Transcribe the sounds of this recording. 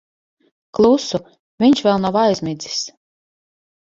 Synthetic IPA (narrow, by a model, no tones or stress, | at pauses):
klˠusu | vʲiɲʃvʲɛlˠnawajzʲmid̪zi̥s